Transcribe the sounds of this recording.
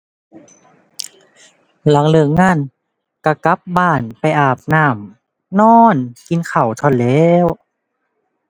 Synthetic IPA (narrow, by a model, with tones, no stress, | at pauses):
la˨˧˦ŋlɯ˨˩˦ŋːaː˧˩˨n | ka˧˩ka˦˥p̚baː˧˩npa˧˨jʔaː˨˩p̚naː˧˩m | nɔː˧˥nki˧nkʰa˨˩wt̪ʰɔ˧˩˨nlɛː˦˥w